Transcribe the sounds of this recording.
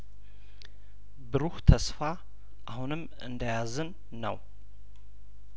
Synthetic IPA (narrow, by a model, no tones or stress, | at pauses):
bɨɾuht̪ʰəsfa | ʔahunɨm | ɨ̰nd̪əjazɨnː | ə̰w